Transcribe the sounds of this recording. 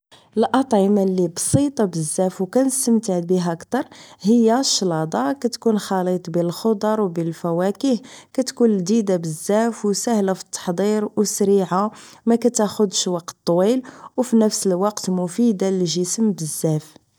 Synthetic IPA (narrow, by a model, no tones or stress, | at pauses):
əlʔɑt̪ˤʕəmalːibsˤit̪ˤɑbəzːæfwkænəst̪əmt̪aʕbiɦækt̪ɑɾˤhəjːæʃːlɑd̪ˤɑkæt̪kunxɑlit̪ˤbəlxod̪ˤɑɾˤwbəlfæwækihkæt̪kunld̪id̪abəzːæfwsæhlafi̥t̪ːɑ̥ħd̪ˤiɾwsɾiʕamækæt̪æxʊd̪ʃwɑq̚t̪ˤːwilwfinəfsəlwɑqt̪mʊfid̪aliʒəsəmbəzːæf